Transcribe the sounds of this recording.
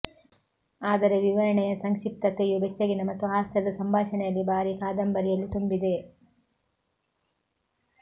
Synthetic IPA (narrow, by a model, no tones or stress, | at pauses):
aːd̪ɐɾe̞ʋiʋɐɾɐɳɛjɐsɐŋkʂip̚t̪ɐkːejubet͡ʃːɐɡinɐmɐt̪ːuɦaːsɐd̪ɐsɐmbʱaːʂɐɳɛjɐlːibaːɾikaːd̪ɐmbɐɾijɐlːit̪umbid̪e̞